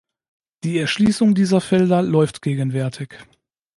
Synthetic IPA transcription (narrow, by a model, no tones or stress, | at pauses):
d̥iːɛɐʃliːsʊŋdiːzɐfɛldɐlɔʏftɡ̥eːɡənvɛɐtʰɪç